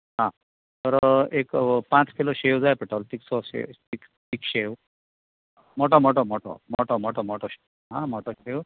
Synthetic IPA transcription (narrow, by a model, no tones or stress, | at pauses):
ɦã | t̪əɾekpãt͡skiloɕewd͡zajpeʈɔlt̪iksɔɕḛt̪ik | t̪iːkɕew | mɔʈɔmɔʈɔmɔʈɔ̰mɔʈɔmɔʈɔmɔʈɔɕe | ɦãmɔʈɔɕew